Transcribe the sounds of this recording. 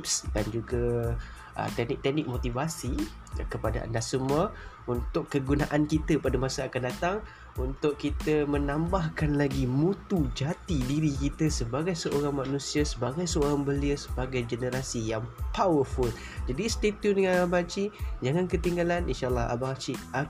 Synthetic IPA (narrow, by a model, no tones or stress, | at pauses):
psdand͡ʒuɡa | ʔə̰t̪ɛnɪk̚t̪ɛʔ̚nɪk̚mot̪ivasi | kəpadaʔa̰ndasəmə | unt̪ʊkːəɡunaʔankit̪əpadamasaakandat̪aŋ | unt̪ʊʔkit̪əmənãmbahkanlaɡimut̪ud͡ʒat̪idiɾikit̪əsəbaɡajsəʔoɾaŋmanũsiasəbaɡajsəoɾaŋbəliəsəbaɡajd͡ʒənəɾasijaŋpawəful | d͡ʒadist̪et̪judəŋãnabaat͡ʃid͡ʒaŋankət̪iŋɡalanḭnʃalˠːɑɦa̰baat͡ʃia